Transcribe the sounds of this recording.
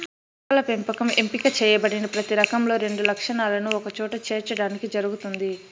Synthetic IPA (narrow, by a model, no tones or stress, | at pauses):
ɐlɐpempɐkɐmempikɐt͡ʃɛːjɐbɐɽinɐpɾɐt̪iɾɐkɐmlo̞ːɾe̞ɳɖulɐkʂɐnaːlɐnuɔkɐt͡ʃɔːʈɐt͡ʃeːɾt͡ʃɐɽaːnikid͡ʒɐɾuɡut̪und̪i